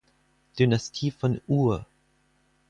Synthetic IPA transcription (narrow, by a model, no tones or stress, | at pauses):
d̥ynastʰiːfɔnuːɐ